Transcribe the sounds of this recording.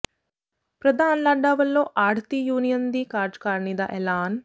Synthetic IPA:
pɾɐd̪ʱaːnlaɖaːʋɐlːoːʔaːɾt̪ijuːnijɐnd̪iːkaːɾd͡ʒkaːɾnid̪a̰ːʔelaːn

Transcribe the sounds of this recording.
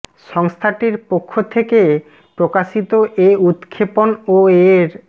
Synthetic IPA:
ʃɔŋst̪ʰaʈiɾpokʰːot̪ʰeke | pɾokaʃit̪oʔeut̪kʰːeponoeɾ

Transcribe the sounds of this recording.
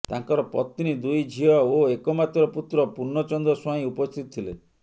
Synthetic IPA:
t̪aŋkɔɾɔpɔt̪ːinid̪ujd͡ʒʱiɔoekɔmat̪ɾɔput̪ɾɔpuɾnɔt͡ʃɔnd̪ɔsɔĩupɔst̪ʰit̪ɔ̥t̪ʰile

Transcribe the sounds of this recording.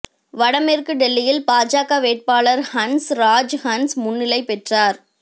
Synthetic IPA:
ʋɐɽɐmerkɯɖɛlːɪjɪlpaːd͡ʒaːkaʋeːʈ̚paːlɐɾhɐnsɾaːd͡ʒhɐnsmʊnːɪlɐɪpɛʈraːɾ

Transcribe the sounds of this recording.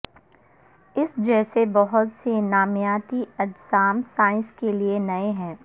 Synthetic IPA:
ɪsd͡ʒɛːsebɐɦʊt̪senaːmjaːt̪iɐd͡ʒsaːmsaːɪ̃nskelienɐeɦɛ̃ː

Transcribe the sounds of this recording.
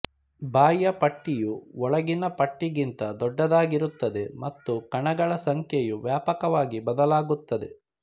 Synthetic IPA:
baːjːɐpɐʈːijuɔɭɐɡinɐpɐʈːiɡint̪ɐd̪ɔɖːɐd̪aːɡiɾut̪ːɐd̪e̞mɐt̪ːukɐɳɐɡɐɭɐsɐŋkʰjejuʋjaːpɐkɐʋaːɡibɐd̪ɐlaːɡut̪ːɐd̪e̞̰

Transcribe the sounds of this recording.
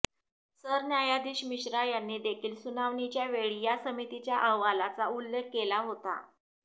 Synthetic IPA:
səɾnjajad̪iːɕmiɕɾajanːiːd̪ekʰiːlsunaʋɳit͡ɕjaʋeɭijasəmit̪it͡ɕjaʔəɦʋalat͡saulːekːelaɦot̪a̰

